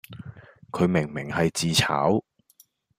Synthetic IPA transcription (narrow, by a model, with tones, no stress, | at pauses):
kʰɵ˨˧ɥmɪ˨˩ŋmɪ˨˩ŋhɐ˨jt͡siː˨t͡sʰa̰ː˨˥w